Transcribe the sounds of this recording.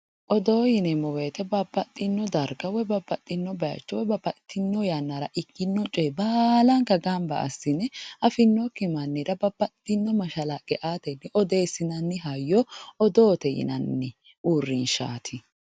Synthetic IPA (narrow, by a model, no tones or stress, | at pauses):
ʔɔd̪oːjɪnɛmɔweːt̪ɛbɐbːɐt̪ʼːɪnːɔd̪ɐɾɡɐwɛbɐbːɐt̪ʼːɪnːɔbɐja̰t͡ʃːɔwɛbɐbɐt̪ʼːɪnːɔjanːaɾɐʔɪkːɪnːɔt͡ʃʼɔjbaːlɐŋkɐɡambɐ̰ʔɐ̰sːɪnɛʔɐfɪnːɔkɪmɐnːɪɾɐbɐbɐt̪ʼːɪnːɔmɐʃɐlaɡɛʔaːt̪ɛnːɛʔɔd̪eːsɪnɐnːɪɦajːɔɔd̪oːt̪ɛjɪ̰nɐnːɛ | ʔuːrːɪnʃa̰ːt̪ʰɪ